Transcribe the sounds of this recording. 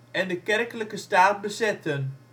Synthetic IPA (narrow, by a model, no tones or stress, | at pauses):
ɛndəkɛrkləkəstaːt̚bəsɛtən